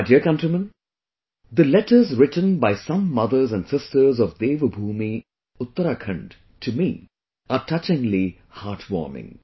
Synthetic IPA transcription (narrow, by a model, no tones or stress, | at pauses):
diəkʌ̃ntɹimə̃n | d̪əlɛʈə˞zɹɪʈə̃nbaɪsʌ̃mːʌðə˞zæ̃nɖsɪstə˞zɔvd̪eːʋəbʱuːmi | ʊt̪ːəɾaːkʰə̃ɳɖ | tʰɨmḭ | aʈʰʌt͡ʃɪ̃ŋli | haːɾʈʰwɔ̰ːɹmɪ̰̃ŋ